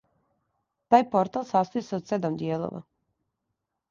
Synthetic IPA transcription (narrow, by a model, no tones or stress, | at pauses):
t̪aːjpoɾt̪alˠsast̪ojiseod̪sed̪amd̪jeːlˠo̰ʋa̰